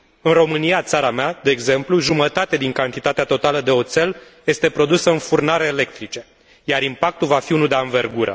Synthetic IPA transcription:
ɨnro̞mɨnijat̪saɾamead̪e̞ːɡze̞mpluʒumət̪at̪ed̪iŋkant̪it̪at̪eat̪o̞t̪aləd̪e̞o̞t̪se̞lje̞st̪e̞pɾo̞d̪usəɨnfurnaɾe̞ːle̞kt̪ɾit͡ʃe̞ | jaɾimpak̚t̪ulvafiunud̪eaɨnve̞rɡuɾə̰

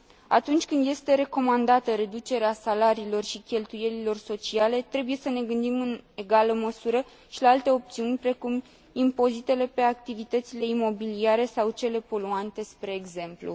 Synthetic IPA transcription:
a̰t̪unt͡ʃʲkɨnd̪je̞st̪e̞ɾe̞ko̞mand̪at̪əɾe̞d̪ut͡ʃe̞ɾeasalaɾiːlo̞rʃikʲe̞lt̪uje̞lilo̞rso̞t͡ʃiale̞t̪ɾe̞buje̞səne̞ɡɨnd̪imɨneɡaləməsuɾə | ʃilaalt̪e̞o̞p̚t̪siunʲpɾe̞kum | impo̞zit̪e̞le̞pe̞ak̚t̪ivit̪ət̪sile̞imo̞biliaɾe̞sawt͡ʃe̞le̞po̞luant̪e̞spɾe̞ːɡze̞mplṵ

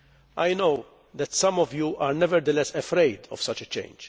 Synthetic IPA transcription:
ʔajnow | d̪ɛt̪sɐ̃mɔvjuːʔaːɾnɛvɛɾd̪əlɛsɛfɾeɪd̪ɔ̰v̥sɐt͡ʃɛt͡ʃḛ̃ɪ̃nd͡ʒ

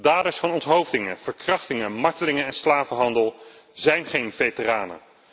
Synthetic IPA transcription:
daːdəsfɑnɔntɦowvdɪŋəv̥əɹkrɑχtɪŋəmɑɹtəlɪŋənɛnslaːvəɦɑndəlˠ | zɛjnχejnvejtəraːnə̰

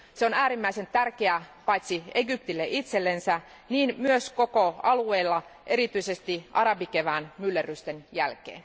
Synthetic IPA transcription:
seonæːɾimːæise̞nt̪ærkeæpɑjt̪sieɡyp̚t̪ilːeʔit̪selːensæ | niːnmyøsko̞koɑlueːlːɑʔe̞ɾit̪yisest̪iʔɑɾɑbikeʋæːnmylːerˑyst̪enjælk̟ḛːn

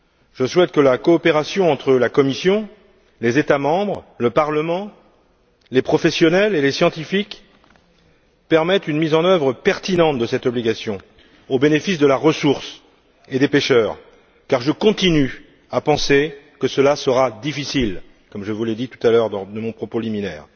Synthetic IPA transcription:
ʒ̥əswɛt̪̚kəlakɔːpeʁasjɔ̃ɑ̃t̪χəlakɔmisjɔ̃ | lezet̪amɑ̃bʁləpaʁləmɑ̃ | lepχɔfɛsjɔnɛlelesjɑ̃t̪ifik | pɛʁmɛt̪ynmizɑ̃nœvʁəpɛʁt̪inɑ̃t̪̚d̪əsɛt̪ɔbliɡasjɔ̃ | obenefisd̪əlaʁəsuʁs | ed̪epeʃœːʁ | kaʁʒəkɔ̃t̪iny | apɑ̃sekəsəlasəʁad̪ifisil | kɔmʒəvuled̪it̪u̥t̪alœʁd̪ɑ̃d̪əmɔ̃pχɔpoliminɛ̰ːʁ

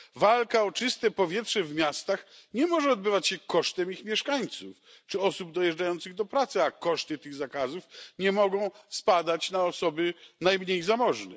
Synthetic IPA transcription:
valkaɔt͡ʂɘst̪ɛpɔvʲjɛtʂɛvmʲjast̪axɲɛmɔʐɛɔd̪bɘvat͡ɕɕɛkɔʂt̪ɛmixmʲjɛʂkaɲt̪sṵf | t͡ʂɘɔsubd̪ɔjɛʐd͡ʐajɔnt̪sɨɣd̪ɔpɾat̪sɨakɔʂt̪ɨt̪ɘɣzakazufɲɛmɔɡɔ̃w̃spad̪at͡ɕnaɔsɔbɘnajmɲejzamɔʐnɛ

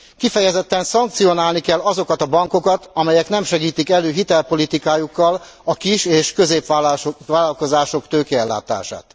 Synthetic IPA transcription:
kifɛjɛzɛt̪ːɛnsɒŋkt̪sijo̞naːlnikɛlːɒzo̞kɒt̪ɒbɒŋko̞kɒt̪ɒmɛjɛknɛmʃɛɡiːt̪ikɛløːɦit̪ɛlpo̞lit̪ikaːjukːɒl | ɒkiʃeːʃkøzeːpaʋaːlɒlko̞zaːʃo̞kt̪øːkɛɛlːa̰ːt̪a̰ːʃa̰ːt̪

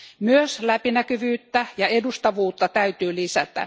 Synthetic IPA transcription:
myøslæpinækyʋyːt̪ːæjɑedust̪ɑʋuːt̪ːɑt̪æyt̪yːlisæt̪æ̰

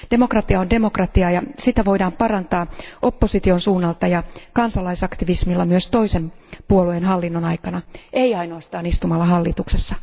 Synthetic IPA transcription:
d̥e̞mokrɑt̪iɑonde̞mo̞krɑt̪iɑjɑsit̪æʋo̞idɑːmpɑrɑnt̪ɑːʔo̞pːo̞sit̪io̞nsuːnːɑlt̪ɑjɑkɑnsɑlɑisɑkt̪iʋismilːɑmyøst̪o̞ise̞mpuoluenɦɑlːinːonɑjkɑnɑeiɑinoːst̪ɑːnist̪umɑlːɑɦɑlːit̪uksesːɑ

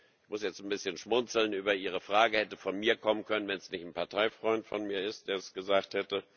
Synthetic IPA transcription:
ʔɪçmʊsjɛt͡stn̩bɪsçənʃmʊnt͡sl̩nyːbɐʔiːʁ̞əfʁ̥aːɡəhɛtəfɔnmiːɐkʰɔmənkʰœnənvɛnsnɪçtn̩pʰaɐtʰaɪfʁ̥ɔʏntfɔnmiːɐɪst̚d̥eːɐsɡ̥əzaːkthɛtə

